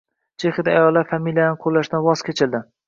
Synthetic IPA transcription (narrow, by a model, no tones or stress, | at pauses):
t͡ʃʰeχɪd̪aajɒlˠːaɾfamilijanɪqʰolːaʃd̪anwɒzkʲʰet͡ʃʰɪld̪ɪ